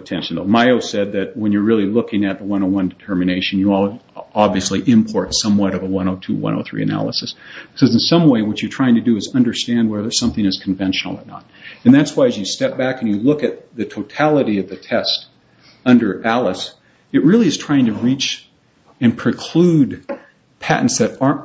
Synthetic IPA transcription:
ɨtʰɛ̃nʃn̩ðo̰ʊmaɪoʊsɛd̪̚ðɨt̚wə̃njə˞ɹɪlˠilʊkɪ̃ŋɨt̪̚ðəwʌ̃ñoʊwʌ̃ndɨtʰɜ˞mɨneɪʃɨ̃n̩jəɔlˠ | ɑbviɨsliʔɪ̃mpʰɔɹtsʌ̃mwʌɾʌvəwʌ̃ñoʊtʰʉ̰wʌ̰̃ñʔo̰ʊθɹḭɨ̰næ̰lˠə̰sɨssɛz̃n̩sʌ̃mweɪwʌt͡ʃə˞tʰɹ̥aɪɪ̃ŋtʰɨdɨːzʌ̃ndə˞stæ̃nd̚wɛðə˞sʌ̃mθɪ̃ŋɨz̥kʰɱvɛ̃nʃn̩l̩ˠə̰˞nə̰ɾɨ̃nðætswaɪɨzjɨstɛp̚b̥ækɨ̃n̩jɨlʊkɨt̪̚ðɨtʰoʊtʰælˠəɾiʌvðɨtʰɛst | ʌ̃ndə˞ʔælˠəs | ɨt̚ɹɪlˠiɨz̥tʰɹ̥aɪɪ̃ŋtʰɨɹit͡ʃ | ɨ̃npʰɹ̥ɨkʰl̥ud̚ | pʰæ̰ʔn̩tsðɨɾɑɹ

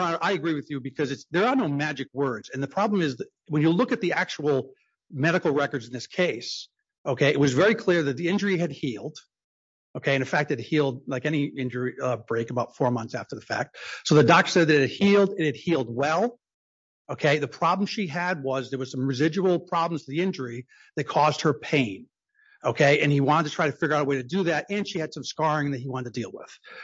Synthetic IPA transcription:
ʔaɪɨɡɹiwɨðjɨbɨkʰʌzɨtsðə˞ːnoʊmæd͡ʒɨk̚wɜ˞dz̥ɨ̃nðɨpʰɹ̥ɑblə̃mɨzð | wə̃njɨlʊkɨt̪̚ðiæk̚t͡ʃul̩ˠ | mɛɾɨkl̩ˠɹɛkə˞dzn̩ðɪskʰeɪs | ʔoʊkʰeɪʔɨt̚wʌzvɛɹikʰl̥ɪɹðɨt̪̚ðiɪ̃nd͡ʒə˞iɨd̚hilˠd̥ | oʊkʰeɪɨ̃nɨ̃nfæk̚t̚ɨd̚hilˠd̚laɪkɛñiɪ̃nd͡ʒə˞iʌbɹeɪkəbaʊtfɔɹmʌ̃θsæftə˞ðəfæ̰k̚t̚soʊðɨdɑk̚tə˞sɛd̪̚ðɨɾɨhilˠdɨt̚hɨd̚hilˠd̚wɛlˠ | oʊkʰeɪðɨpʰɹ̥ɑbl̃m̩ʃiɨd̚wʌzðə˞wəz̥sʌ̃mɹɨzɪd͡ʒəbl̩ˠpʰɹ̥ɑblm̩z̥tʰɨðiɪ̃nd͡ʒə˞i | ðɨt̚kʰɔzd̚hə˞pʰẽɪ̃n | oʊkʰeɪʔɨ̃niwɑ̃ɾədtʰɨtʰɹ̥aɪɾɨfɪɡə˞aʊɾəweɪɾɨdɨðæɾɨ̃nʃiɨd̥sʌ̃mskɑɹɪ̃ŋðɨt̚hiwɑ̃ɾɨd̚tʰɨdilˠwɪ̰ð̥

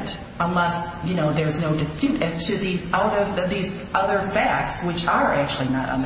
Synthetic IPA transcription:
nt | ə̃nlɛsjɨnoʊðə˞znoʊdɨspjʉɾɨz̥tʰɨðizaʊɾʌvðiz | ʔʌðə˞fæk̚tswɨt͡ʃə˞ʔæk̚t͡ʃʉl̩ˠinə̰ɾ̰̃n

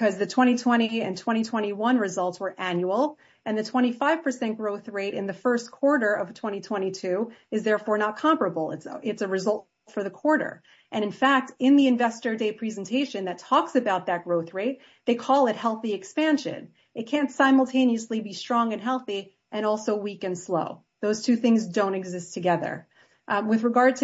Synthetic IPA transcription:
kʌzðɨtʰw̥ɛ̃ɾ̃itʰw̥ɛ̃ɾ̃iɨ̃ntʰw̥ɛ̃ɾ̃itʰw̥ɛ̃ɾ̃iwʌ̃nɹɨzʌlˠtswə˞ʔæ̃njul̩ˠ | ɨ̃nðɨtʰw̥ɛ̃ɾ̃ifaɪv̥pʰə˞sɛ̃nɡ̥ɹoʊθɹeɪɾɨ̃nðɨfɜ˞skʰw̥ɔɹɾə˞ʌv̥tʰw̥ɛ̃ɾ̃itʰw̥ɛ̃ɾ̃itʰʉɨzðɛɹfɔɹnət̚kʰɑ̃mpɹɨbl̩ˠɪ̰tsɪtsɨɹɨzʌlˠt | fə˞ðɨkʰw̥ɔɹɾə̰˞ | ʔɨ̃ɾ̃ɨ̃nfæk̚tɪ̃nðiɨ̃ɱvɛstə˞deɪpʰɹ̥ɛzn̩tʰeɪʃɨ̃nðɨtʰɔksɨbaʊt̪̚ðɨt̚ɡ̥ɹoʊθɹeɪt̪̚ | ðeɪkʰɔlˠɨt̚hɛlˠθiɨkspæ̃nʃɨ̰̃n | ɨt̚kʰæ̃ntsãɪ̃ml̩ˠtʰẽɪ̃niɨslibistɹ̥ɔ̃ŋɨ̃nɦɛlˠθi | ʔɨ̃ɾ̃ɔlˠsoʊwikɨ̃nsloʊ | ðoʊz̥tʰʉθɪ̃ŋzdõʊ̃ñɨɡzɪstʰɨɡɛðə̰˞ | wɨðɹɨɡɑɹd̚tʰ

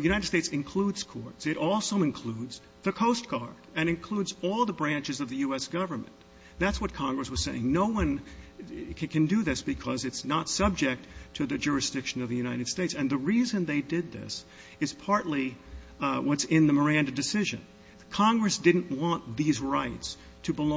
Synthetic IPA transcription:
jʉɾaɪɾɨd̥steɪtsɨ̃nkʰl̥udz̥kʰɔɹtsɨɾʔɔlˠsoʊɨ̃nkʰl̥udz | ðɨkʰoʊst̚ɡ̥ɑɹdɨ̃ñɨ̃nkʰl̥udzɔlˠðəbɹæ̃nt͡ʃɨzʌvðɨjʉɛsɡ̥ʌvə˞mɨ̰̃n | ðætswʌt̚kʰɑ̃ŋɡɹɨswʌz̥seɪɪ̰̃ŋnoʊwʌ̃n | kʰɨ̃ndɨðɪsb̥ɨkʰʌzɨtsnətsʌb̚d͡ʒɛk̚tʰɨðɨd͡ʒʊɹɨsd̥ɪkʃɨ̃nʌvðɨjʉnaɪɾɨd̥steɪtsɨ̃nðɨɹizɨ̃nðeɪdɪd̪̚ðɪ̰s | ɨz̥pʰɑɹʔˡli | wʌtsɪ̃nðɨmə˞æ̃ndɨdɨsɪʒɨ̰̃n | kʰɑ̃ŋɡɹɨsd̥ɪdⁿn̩ʔwɑ̃nðizɹaɪts | tʰɨbəl

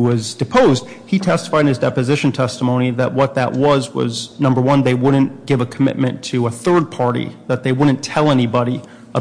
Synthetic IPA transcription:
wʌzdɨpʰoʊzd̥̚ | hitʰɛstə̥faɪɾ̃nɨzdɛpɨzɪʃn̩tʰɛstəmõʊ̃niðɨʔ̚wʌt̪̚ðɨ̰ʔ̚wʌzwʌ̰znʌ̃mbə˞wʌ̃nðeɪwʊdⁿn̩ɡ̥ɪvəkʰəmɪ̰t̚mɨ̃ntʰɨəθɜ˞d̚pʰɑɹɾḭðɨt̪̚ðeɪwʊdⁿn̩tʰɛlˠɛnibɑɾi | ə

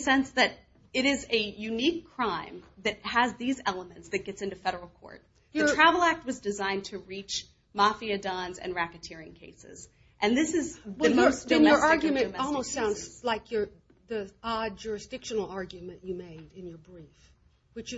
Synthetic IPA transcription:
sɛ̃nsðɨɾ | ɨɾɪzɨjʉnikʰɹ̥ãɪ̃mðɨt̚həzðizɛlˠəmɨ̃ntsðɨt̚ɡ̥ɛtsɪ̃ntʉfɛɾə˞l̩ˠkʰɔ̰ɹt̚ | jɨə˞tʰɹ̥ævl̩ˠæk̚t̚wʌzdɨzãɪ̃ntʰɨɹit͡ʃ | mɑfiɨdɑ̃nzɨ̰̃nɹækɨtʰɪɹɪ̰̃ŋkʰeɪsɪ̰z | ʔɨ̃nðɪsɨzwɨmoʊsɨ̃nə˞ɑɹɡjɨmɨ̃nmɔ̃lˠmoʊstsãʊ̃ndz̥laɪkʰjə˞ | ðiɑd͡ʒʊɹɨsd̥ɪkʃɨnl̩ˠɑɹɡjʉmɨ̃nɨmeɪɾɨ̃njə˞bɹif | wɨt͡ʃ

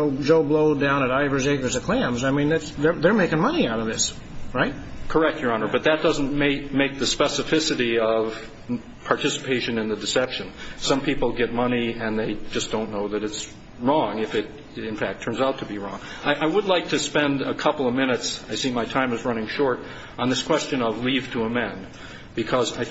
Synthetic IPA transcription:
oʊd͡ʒoʊbloʊdãʊ̃ñɨɾaɪvə˞zeɪkə˞zɨkʰl̥æ̃mzaɪmĩnðætsðə˞ðə˞meɪkɪ̃ŋmʌniaʊɾʌvðɪs | ɹaɪt̚kʰə˞ɛk̚tjə˞ɑnə˞bʌt̪̚ðɨt̚d̥ʌz̃n̩meɪk̚meɪk̚ðɨspɛsɨfɪsɨɾiʌv̥ | pʰɑɹtʰɪsə̥pʰeɪʃɨ̃nɨ̃nðɨdɨsɛpʃɨ̃nsʌ̃mpʰipl̩ˠɡɛt̚mʌniɨ̃nðeɪd͡ʒʌsd̥õʊ̃nːoʊðɨɾɨts | ɹɔ̃ŋɨfɨɾ | ɪ̃nfæk̚tʰɜ̃˞nzaʊtʰɨbiɹɔ̰̃ŋaɪʔaɪwədˡlaɪk̚tʰɨspɛ̃ndəkʰʌpl̩ˠʌvmɪ̃nɨtsaɪsĩmaɪtʰãɪ̃mɨzɹʌnɪ̃ŋʃɔɹɾ | n̩ðɪskʰw̥ɛst͡ʃɨ̃nʌvliv̥tʰəəmɛ̃n | b̥ɨkʰʌza̰ɪ

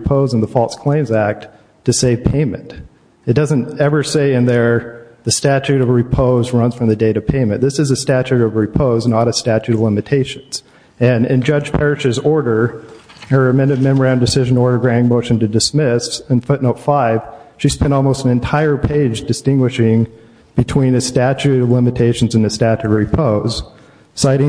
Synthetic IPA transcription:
pʰoʊz̃n̩ðəfɔlˠskʰl̥ẽɪ̃mzæk̚t | tʰɨseɪv̥pʰẽɪ̃mɨ̰̃nt | ɨt̚d̥ʌzɨ̃ntɛvə˞seɪɨ̃nðə˞ðɨstæt͡ʃʉɾʌvɹɨpʰoʊzɹʌ̃nz̥fɹʌ̃mðɨdeɪɾɨ̥pʰẽɪ̃mɨ̃nðɪsɨzɨstæt͡ʃʉɾʌvɹɨpʰoʊznəɾɨstæt͡ʃʉɾʌvlɪ̃mɨtʰeɪʃɨ̃nz̥ | ɨ̃nɪ̰̃nd͡ʒʌ̥d͡ʒ̥pʰɛɹɨʃɨzɔɹɾə˞ | ə˞ɨmɛ̃nɨ̃nmɛ̃mə˞æ̃ndɨsɪʒɨ̃nɔɹɾə˞ɡɹæ̃ɪ̃ŋmoʊʃɨ̃n̩tɨdɨsmɪsɨ̃nfʊtⁿnoʊtfaɪv̥ʃiz̥spɛ̃ntɔlˠmoʊstn̩ɨ̃ntʰaɪə˞pʰeɪd͡ʒdɨstɪ̃ŋɡwɨʃɪ̃ŋ | b̥ɨtʰw̥ĩnɨstæt͡ʃʉɾʌvlɪ̃mɨtʰeɪʃn̩zɨ̃n̩ðɨstæt͡ʃʉvɹɨpʰoʊz̥ | saɪɾɪ̃

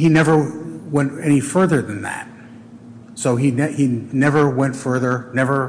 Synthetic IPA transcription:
hinɛvə˞wɛ̃ntɛnifɜ˞ðə˞ðɨ̃nðæ̰t̚ | soʊinɛhinɛvə˞wɛ̃ntfɜ˞ðə˞nɛvə˞

